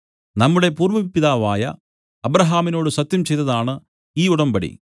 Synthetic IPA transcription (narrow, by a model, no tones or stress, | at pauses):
nɐmːuɽe̞puːrmɐʋipːiðaːʋaːjɐ | ɐbɾɐɦaːmino̞ːɽɨsɐt̪jɐmt͡ɕe̞jt̪ːɐðaːɳɨ | iːuɽɐmbɐɽḭ